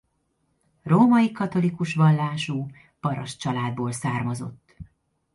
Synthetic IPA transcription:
roːmɒjikɒt̪o̞likuʃʋɒlːaːʃuː | pɒɾɒʃt͡ʃɒlaːd̪̚boːlsaːrmɒzo̞̰t̪ː

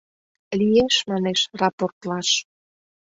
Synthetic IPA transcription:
lijeʃmɑneʃrɑport̪lɑʃ

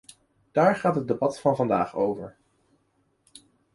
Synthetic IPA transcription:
d̥aːɹχaːtɦəd̚ebɑtfɑnvɑndaːχo̰wvəɹ

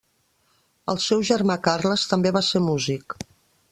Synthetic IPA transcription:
əlˠsɛwʒəɾmakarləst̪əmbeβaseɾmuzik

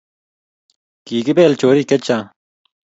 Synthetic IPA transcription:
kiːkibeːlt͡ɕoːɾiːket͡ɕaː

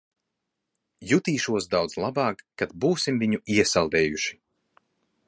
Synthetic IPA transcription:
jut̪iːʃuɔs̬d̪awd̪zlˠabɑːkːad̪buːsimviɲuiɛsalˠd̪ɛːjuʃi̥

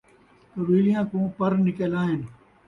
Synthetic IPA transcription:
k̪ɐbiːlijãːkũːpɐɾnɪkelaːɦɪn

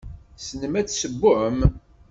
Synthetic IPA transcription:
sənəmæt͡sːsəbːʊʕəm

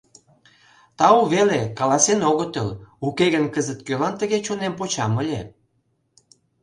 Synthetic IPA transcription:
t̪ɑuβelekɑlɑsenoɣət̪əlukeɣənkəzət̪̚kølɑnt̪əɣet͡ɕonempot͡ɕɑməlʲḛ

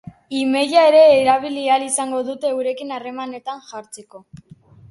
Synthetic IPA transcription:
ime̞ʝae̞ɾe̞ːɾaβ̞ilialisaŋɡo̞ðut̪e̞ːwɾe̞kinare̞mane̞t̪anʝaɾt͡se̞ko̞

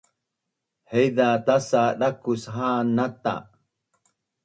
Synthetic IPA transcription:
hejðat̪asaɗakusɦaːnat̪a̰

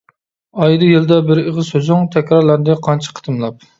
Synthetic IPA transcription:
ɑjɨd̪ɨjild̪ɛbɪɾəʁəzsøzyŋt̪ʰɛkʲɾɑɾlˠɑnd̪ɨqʰɑnt͡ʃʰi̥qʰə̥t̪ʰɨmlˠɑp̚

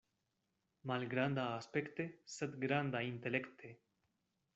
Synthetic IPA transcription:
malɡɾand̪aːspekt̪eset̪ɡɾand̪aint̪elekt̪ʰe

